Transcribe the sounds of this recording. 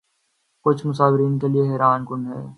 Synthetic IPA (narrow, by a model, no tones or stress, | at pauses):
kʊt͡ʃʰmʊsaːʋɾiːnkelieɦɛːɾaːnkʊnɖɦɛ̰ː